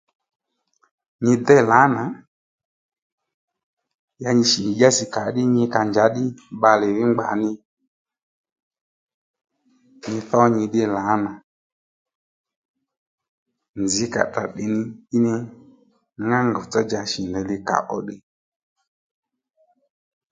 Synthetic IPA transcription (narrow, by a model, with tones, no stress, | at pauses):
ɲɪ˧d̪ɛ˦˨la˨˦na˨ | ja˧ɲɪ˧ʃi˨ɲi˨d͡ʒa˦si˨ka˨˦ɗɪ˦ɲɪ˧ka˧ɲd͡ʒa˨˦ɗɪ˦ɓa˧lɪ˨ɾɪ˦ŋ͡mɡ͡ba̰˨nɪ˧ | ɲi˧θɔ˦ɲi˧ɗɪ˦la˨˦na˨ | nd͡zɪ˨˦ka̰˨ta̰˨ɗɪ˨nɪ˧i˦nɪ˧˨˦ | ŋa˦ŋɡɔ˨t͡sɔ˦d͡ʒa˧ʃi˨ndɛ˨lɪ˧ka̰˨ʔɔ̰˦ɗɪ˧